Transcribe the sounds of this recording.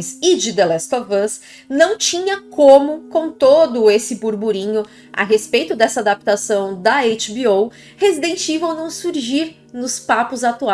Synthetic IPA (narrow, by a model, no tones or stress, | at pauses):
sɪd͡ʒɪd̪elɛskovɐs | nɐ̃w̃t͡ʃĩɲɐkõmʊkõw̃t̪od̪ʊesɪbuɾbuɾĩɲʊ | a̰ɦespejt̪ʊd̪ɛsɐad̪ap̚t̪asɐ̃w̃d̪ɐejt͡ʃbiow | hezid̪ẽnt͡ʃivɐ̃w̃nɐ̃w̃suɾʒiɾ | nʊspapʊzat̪ua